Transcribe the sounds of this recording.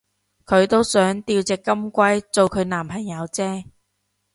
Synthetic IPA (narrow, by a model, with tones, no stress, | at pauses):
kʰɵ˨˧ɥt̪o˥wsœː˨˥ŋt̪iː˧wt͡sɛː˨kːɐ˥mkʷɐ˥jt͡so˨˧wkʰɵ˨˧ɥnaː˨˩mpʰɐ˨˩ŋjɐ˨˧˥wt͡sɛː˥